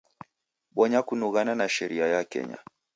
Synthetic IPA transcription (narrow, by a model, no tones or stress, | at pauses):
ɓɔɲakunuɣananaʃɛɾiajakɛ̰ɲa̰